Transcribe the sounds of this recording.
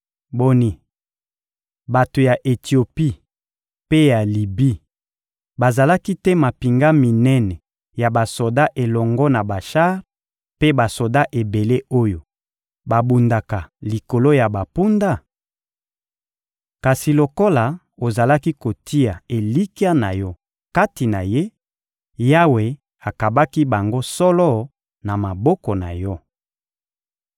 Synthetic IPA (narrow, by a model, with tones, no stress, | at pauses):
bo˨ni˨ | ba˨to˨ja˨ʔe˨tʰi˨o˨pi˦ | pe˦ja˨li˨bi˦ | ba˨za˨la˦ki˦tɛ˦ma˨pi˨ŋɡa˦mi˨nɛ˦nɛ˨ | ja˨ba˨so˨da˦ʔe˨lɔ˨ŋɡɔ˦na˨ba˨ʃa˦ʁ | pe˦ba˨so˨da˦ʔe˨be˨le˦o˦jo˨ | ba˨bu˨nda˨ka˨li˨ko˨lo˦ja˨ba˨pu˦nda˦˨ | ka˨si˨lo˨ko˦la˨ | o˨za˨la˦ki˦ko˨tʰi˦ja˨e˨li˦ki˦a˦na˨jɔ˦ | ka˦ti˨na˨je˦ | ja˦we˨ | a˨ka˨ba˦ki˦ba˨ŋɡo˦sɔ˦lɔ˦ | na˨ma˨bɔ˦kɔ˨na̰˨jɔ˦